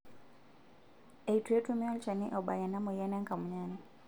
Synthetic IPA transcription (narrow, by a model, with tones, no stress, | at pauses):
e˨itu˨je˦tumɛɔ˦lt͡ʃa˨nḭ˦ʔɔ˨ɓa˨ja˨na˦mɔ˨ja˦nɛ˦ŋka˨mu˨ɲani